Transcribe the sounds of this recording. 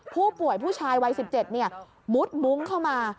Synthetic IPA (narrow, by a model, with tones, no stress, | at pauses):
pʰuː˥˩pu˨˩əjpʰuː˥˩t͡ɕʰaː˧jwa˧jsi˨˩p̚t͡ɕe˨˩t̪̚ni˥˩ɐ | mu˦˥t̪̚mu˦˥ŋkʰa˥˩wmaː˧